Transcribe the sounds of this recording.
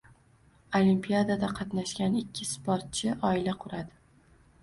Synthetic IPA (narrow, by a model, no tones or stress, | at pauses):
olʲimpʰijad̪ad̪aqʰɑt̪naʃɡʲanɪkʲːɪspoɾt̪̚t͡ʃʰɪʔɒɪlaqʰʊɾad̪ɪ